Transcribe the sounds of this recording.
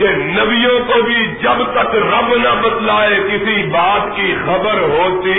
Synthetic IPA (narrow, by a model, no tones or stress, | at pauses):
kenɐbijõkobʱid͡ʒɐbt̪ɐkɾɐbnɐbɐt̪laːekɪsibaːt̪kixɐbəɾɦoːt̪i